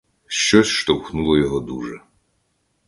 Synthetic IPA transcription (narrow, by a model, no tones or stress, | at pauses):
ʃt͡ʃɔsʲʃt̪ɔwxnulˠɔjɔɦɔd̪uʒɛ